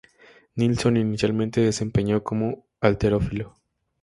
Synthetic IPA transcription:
nilso̞ninisjalmẽnt̪e̞ðe̞se̞mpe̞ɲo̞ko̞mo̞ | alt̪e̞ɾo̞filo

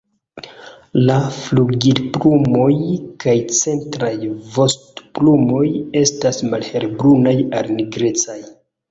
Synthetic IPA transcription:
lafluɡidplumo̞jkajt͡se̞ntɾajvo̞stplumo̞je̞stasmalhe̞lbɾunajalniɡɾe̞t͡saj

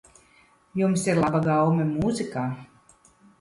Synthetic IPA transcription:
jumsiɾlˠabaɡawmɛmuzikaː

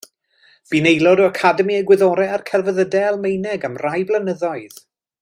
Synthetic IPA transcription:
b̥inejlˠɔdɔakʰadɛmiəɡwɪðɔɾɛarkʰɛlˠvəðədɛlˠmejnɛɡamrajblˠənəðɔɨð

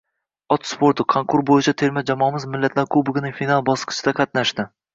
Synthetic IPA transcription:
ɒt̪spoɾt̪ʰʊkʰoŋkʰʊɾbojɪt͡ʃʰat̪ʰe̞ɾmad͡ʒamɒmɪzmɪlːat̪ʰlaɾkʰobʊɡʲɪnɪŋʲfinalˠbɒsqʰɨ̥t͡ʃʰɪd̪aqʰɑt̪naʃd̪ɪ

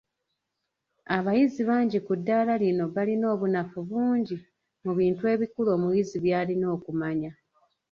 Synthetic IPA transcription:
aβajiziβaːɲɟikudːaːlalino̞βalino̞ːβunafuβuːɲɟi | muβiːntue̞ːβikulo̞ːmujiziβjaːlino̞ːkumaɲa

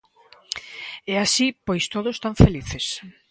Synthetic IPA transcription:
ɛasipojst̪oðost̪aɱfeliθes

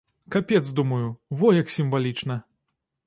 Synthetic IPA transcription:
kapʲɛt̪zd̪umɐjuvɔjɐksʲimvalʲit͡ʂnɐ

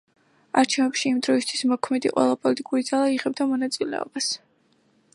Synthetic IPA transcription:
aɾt͡ʃʰɛvɛpʃiːmd̪ɾɔist̪ʰwismɔkʰmɛd̪ḭqʼwɛ̰lˠapʼɔlit̪ʼikʼuɾid̪zalˠaiʁɛb̚d̪amɔnat̪sʼilɛ̰ɔ̰bas

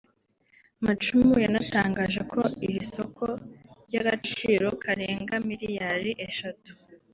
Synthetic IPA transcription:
mat͡ʃumujanataːŋɡaːʒe̞kʰo̞iɾiso̞kʰoɾɟaɡat͡ʃiːɾo̞kʰaɾeːŋɡamiɾijaɾiʔe̞ʃatu̥

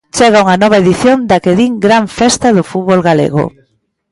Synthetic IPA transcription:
t͡ʃɛɣauŋanɔβ̞aeðiθjond̪akeðiŋɡɾaɱfɛst̪ɐðʊfut̪βolɣalḛɣʊ̰

